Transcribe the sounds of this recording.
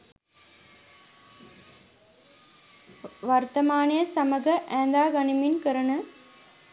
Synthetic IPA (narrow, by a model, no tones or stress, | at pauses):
ʋɐɾt̪ɐmaːnijɐsɐmɐɡɐʔæːnd̪aːɡɐniminkəɾɐnɐ